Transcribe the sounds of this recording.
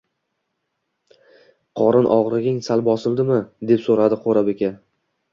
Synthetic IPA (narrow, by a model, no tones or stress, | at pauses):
qʰɒɾɪnʔɒʁɾɪɡʲɪŋsalˠbɒsɪlˠd̪ɪmɪd̪e̞psoɾad̪ɪqʰoɾabekʲa